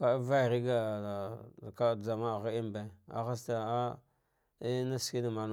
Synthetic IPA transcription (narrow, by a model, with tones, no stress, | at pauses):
ka˨˦va˦˨ɾi˦ɡa˨ | ka˦˨d͡za˨ma˦˨ɣa˦i˦mba˨a̰˨xa˦s̬ta˨a˦ | i˦na˦ski˦na˨ma˨n˦